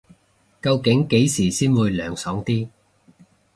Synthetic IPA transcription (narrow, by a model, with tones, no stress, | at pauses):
kɐ˧wkɪ˨˥ŋke˨˥jsiː˨˩siː˥nwuː˨˧jlœː˨˩ŋsɔː˨˥ŋt̪iː˥